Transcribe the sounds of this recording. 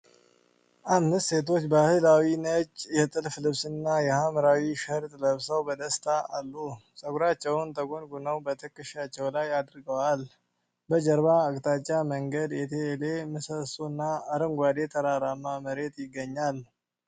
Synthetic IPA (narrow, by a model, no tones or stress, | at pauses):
ʔamnɨst̪se̞t̪̬ʰo̞t͡ʃːbəhɨlawinət͡ʃʼːjɛt̪ʼɨlflɨβsɨnːajɛhamɾawiʃəɾt̪ʼləβsəwbəd̪əst̪ʰaalːusʼəɡɾat͡ʃːɛwnt̪ʰəɡonɡunəwbət̪ʰɨkʼːɨʃat͡ʃːɛwlajad̪ɾɨɡəwal | bəd͡ʒəɾbaəkʼt̪ʼat͡ʃʼːaməŋɡəd̪jɛt̪ʰele̞mɨsəsuɨnːaəɾəŋɡʷad̪e̞t̪ʰəɾaɾamːaməɾe̞t̪jɪɡːəɲːal